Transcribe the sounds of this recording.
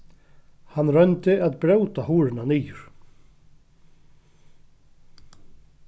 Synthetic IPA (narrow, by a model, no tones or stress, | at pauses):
hanːrœjnt̪ɪaðbɾeːwt̪aɦuːɾɪnaniːjʏɾ̥